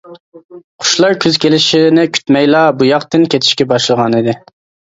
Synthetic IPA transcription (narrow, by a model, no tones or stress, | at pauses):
qʰʊ̥ʃlˠɑɾkʲʰøzkʲelɪʃinɪkʲʰy̥t̪mɛjlˠɑːbujɑqt̪ɪnkʲʰet̪ʰɪ̥ʃkʲɛbɑʃlˠəʁɑnid̪ɪ